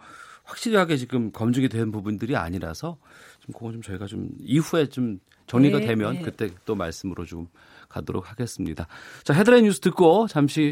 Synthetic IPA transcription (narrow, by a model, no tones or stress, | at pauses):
ɸwak̚ɕ͈iɾiɦaɡe̞t͡ɕiɡɯmkʌmd͡ʑɯɡidwe̞nɯnpubundɯɾia̰ɲiɾa̰sʰʌ | t͡ɕimkoɡt͡ɕomt͡ɕʌiɡat͡ɕo̰miɸue̞t͡ɕom | t͡ɕʌŋɲiɡadwe̞mjʌnkɯt͈e̞t͈oma̰ɭs͈ɯmɯɾot͡ɕom | kadoɾo̰k̚haɡe̞s͈ɯmɲidat͡ɕaɦe̞dɯɾeɲjusʰɯ̥tʰɯk̚k͈ot͡ɕamɕʰi